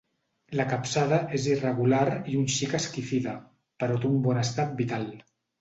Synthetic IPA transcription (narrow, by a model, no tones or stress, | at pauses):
ləkapsaðəʔezirəɣ̞ulaɾiunʃikəskifiðə | pəɾot̪umbɔnəst̪at̪̚bit̪alˠ